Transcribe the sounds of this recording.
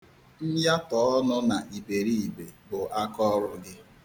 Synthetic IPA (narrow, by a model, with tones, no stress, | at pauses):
n̩˦ja˦tɔ˨˦ɔ˦nʊ˦na˨ʔi˨be˨ɾi˦i˨be˨bʊ˨ʔa˦kɔ˦ɾʊ˨ɡɪ˦